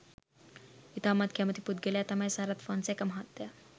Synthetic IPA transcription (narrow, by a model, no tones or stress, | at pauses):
it̪ʰamat̪kʰjamət̪ʰipud̪̚ɡeljat̪amajsaɾat̪fɔnsekamɦat̪ːja